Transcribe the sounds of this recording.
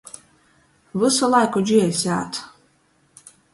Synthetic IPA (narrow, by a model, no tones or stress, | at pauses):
vɨsalˠajkɔd͡ʒiɛsʲaːt̪ʰ